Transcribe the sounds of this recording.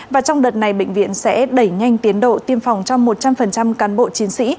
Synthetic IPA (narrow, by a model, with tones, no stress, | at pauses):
vaː˨˩t͡ɕɔ˧wŋ͡mɗəː˨˩t̚na˨˩jɓḛ˧˨ŋ̟vḭ˧˨ənsɛ̰˧˥ɗə˧˩jŋa˧jŋ̟t̪i˨˦ənɗo̰˧˨t̪i˧əmfɔ˨˩wŋ͡mt͡ɕɔ˧wŋ͡mmo˨˩t̚t͡ɕa˧mfə˨˩nt͡ɕa˧mkaː˨˦nɓo̰˧˨t͡ɕi˨˦nsḭ˧˥